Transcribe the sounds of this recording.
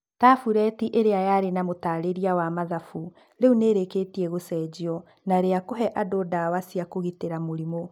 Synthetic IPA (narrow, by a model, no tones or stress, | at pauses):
taːfuɾɛtiʔeɾeajaɾenamotaːɾeɾiawamaðafu | ɾeuneɾekeːtiɛɣosɛːd͡ʑiɔ | naɾeakoɦɛʔadoːdawasiakoɣiteɾamoɾimo